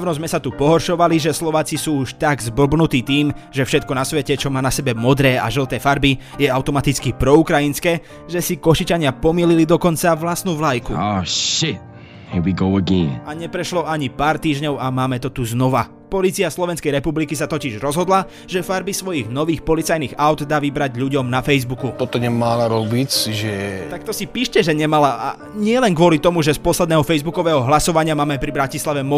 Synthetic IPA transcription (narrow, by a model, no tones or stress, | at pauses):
ʋnɔzmɛsat̪upɔɦɔɾʃɔʋaliʒɛslɔʋaːt͡sisuːuʃt̪aɡzbɔbnut̪iːt̪iːmʒɛfʃɛt̪̚kɔnasʋɛcɛt͡ʃɔmaːnasɛbɛmɔd̪ɾɛːa̰ʒl̩t̪ɛːfaɾbijɛaʊt̪ɔmat̪it͡skipɾɔukɾajinskɛː | ʒɛsikɔʃit͡ʃaɲɪapɔmililid̪ɔkɔnt͡saʋlast̪nuːʋlajkṵɔʃɪt | nwiɡoʊəɡɛ̃naɲɛpɾɛʃlɔaɲipaːɾt̪iːʒɲɔʊamaːmɛt̪ɔt̪uznɔʋa | pɔlit͡siaslɔʋɛnskɛjɾɛpublikisat̪ɔciʒɾɔzɦɔd̪la | ʒɛfaɾbisʋɔjiɣnɔʋiːxpɔlit͡sajniːɣaʊd̪d̪aːʋibɾaɟʎuɟɔmnafɛjzbukut̪ɔt̪ɔɲɛmalaɾɔbicʒɛt̪ak̚t̪ɔsipiːʃcɛʒɛɲɛmalaa̰ | ɲɪɛlɛnkʋʊɔlit̪ɔmuʒɛspɔslɛd̪nɛːɦɔfɛjzbukɔʋɛːɦɔɦlasɔʋaɲɪamaːmɛpɾibɾacislaʋɛmɔ